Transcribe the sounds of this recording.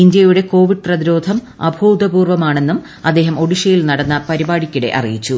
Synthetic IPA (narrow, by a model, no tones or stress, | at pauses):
ind̪jɐjuɽe̞ko̞ːʋiɖ̚prɐðiɾo̞ːd̪ʱɐm | ɐ̰bʱoːd̪ɐbuːrʋɐmaːɳe̞nːum | ɐd̪ːe̞ːɦɐmo̞ɽiʂɐjilnɐɽɐnːɐpɐɾibaːɽikʲːiɽe̞̰ʔɐ̰rijit͡ɕːu